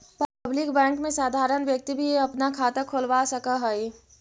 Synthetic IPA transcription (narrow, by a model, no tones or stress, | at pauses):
pblɪkbɛ̃ːŋkmẽsaːd̪ʱaːɾənʋjək̚t̪ibʱieɐpnakʰaːt̪akʰoːlʋasəkaɦəi